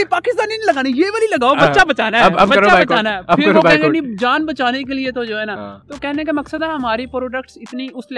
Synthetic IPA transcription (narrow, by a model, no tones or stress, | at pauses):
paːkɪst̪aːninːləɡaːnijeːʋəliləɡaːobəʃaːbət͡ʃaːnaəbəəɾt͡ʃabət͡ʃːaːnaːɛpʰɪɾɾenid͡ʒaːnbət͡ʃaːneːkelɪet̪od͡ʒoːɦɛːnaːt̪oːkɛːneɛ̃ːkeməksəd̪ɛɦəmaːɾiːpɾoːɖəkʈsɪt̪niːʊsl